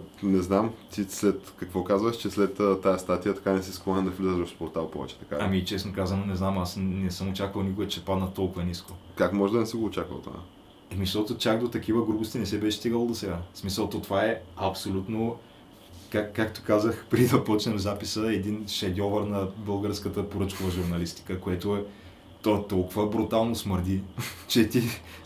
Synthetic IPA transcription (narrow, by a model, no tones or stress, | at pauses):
nɛznamt̪islɛt̪kɐkvɔkazvəʃt͡ʃɛslɛt̪ət̪ːajəst̪at̪ijət̪ɐ̥kanɛsisklˠɔnɛd̪ɐflʲizəvɐfspoɾt̪alˠpɔ̰vɛ̰t͡ʃɛ̥t̪ɐ̥ka̰ɐmit͡ʃɛsnokazɐnonɛznamasnɛsɤmot͡ʃakvɐlˠnikʊɛt͡ʃɛpad̪nɐt̪ɔlˠkʊvɐniskokakmɔʒɛd̪ɐnɛsiɡoːt͡ʃakvə̰lˠt̪o̰a̰ | ɛmiʃt̪ot̪ot͡ʃakd̪ot̪ɐkivəɡɾubost̪ʲinɛsɛbɛʃɛst̪iɡəlˠod̪osɛɡasmisəlˠt̪ot̪ovaɛɐpsolʲut̪no | kakːakt̪ʊ̥kazəxpɾizɐpɔt͡ʃnɛmzapisəɛd̪inʃɛd̪ʲɔvəɾnɐbɤlˠɡəɾskət̪əpoɾɤt͡ʃkovəʒuɾnɐlist̪i̥kəkoɛt̪oɛ | t̪ot̪ɔlˠkʊvəbɾut̪alˠnosməɾd̪it͡ʃɛt̪i